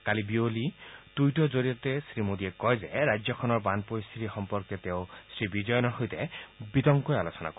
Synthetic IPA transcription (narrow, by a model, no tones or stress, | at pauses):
kalibiolid̪̥ujʈɔzoɹiɔt̪esɾimod̪iekɔjzeɾajd͡ʒjɔkʰɔnɔɹbanpoɾist̪ʰit̪ixɔmpɔɾket̪eʊsɹibid͡ʒɔjɔnɔɹɦojt̪ebit̪ɔŋkɔjalosɔna̰kɔ